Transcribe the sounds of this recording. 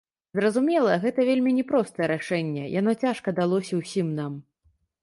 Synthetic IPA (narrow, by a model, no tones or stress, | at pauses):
zɾɐzumʲɛlˠɐɣɛt̪ɐvʲelʲmʲinʲɛpɾɔst̪ɐjɛɾaʂɛnʲːɛ̰jan̪ɔt͡sʲaʂkɐd̪alˠɔsʲɐwsʲimnam